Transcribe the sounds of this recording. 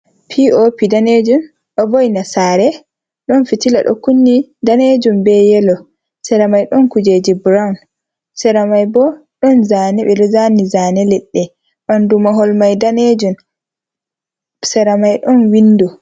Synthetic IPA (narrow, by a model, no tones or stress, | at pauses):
pʰiopidaned͡ʒun | ɗɔvɔjnasaɾɛ | ɗɔnfitila̰ɗɔ̰kunːidaned͡ʒumbɛjɛlɔ | sɛɾamajɗɔnkud͡ʒed͡ʒibɾawn | sɛɾamajbɔ | ɗɔnzanɛɓɛɗɔzanizanɛlɛɗːɛ | ʔandumaɦɔlmajdaned͡ʒum | sɛɾamajɗɔnwinːdɔ